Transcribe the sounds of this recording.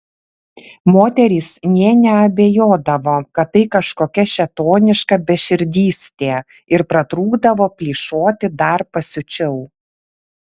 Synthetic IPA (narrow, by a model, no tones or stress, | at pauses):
moːt̪ʲɛɾʲiːsnʲeːnʲɛɐbʲeːjoːd̪ɐʋoːkɐt̪̚tːɐɪkɐʃkoːkʲɛʃʲɛt̪oːnʲɪʃkɐbʲɛʃʲɪɾʲd̪ʲiːsʲt̪ʲeː | ɪɾpɾɐt̪ɾuːɡd̪ɐʋoːpʲlʲiːʃoːt̪ʲɪd̪ɐɾpɐsʲʊt͡ʃʲɛʊ